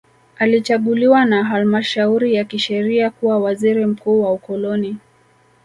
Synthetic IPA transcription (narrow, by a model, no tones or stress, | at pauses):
alit͡ʃaɠuliwanaɦalmaʃauɾijakiʃɛɾiakuwawaziɾim̩kuːwaukɔlɔni